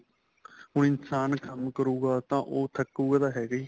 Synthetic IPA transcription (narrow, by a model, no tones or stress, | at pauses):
ɦʊɳɪnsaːnkʰəmkəɾuːɡaːt̪ãːʔoːt̪ʰəkːuːɡaːd̪aːɦɛːɡiː